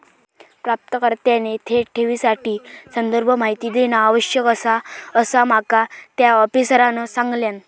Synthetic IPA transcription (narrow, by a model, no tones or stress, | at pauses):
pɾap̚t̪əkəɾt̪janet̪ʰeʈʰeʋiːsaʈiːsənd̪əɾbʱəmaɦit̪iːd̪enaːʋəɕjəkəsaəsam̤akat̪jaɔpisɾanəsãŋɡljan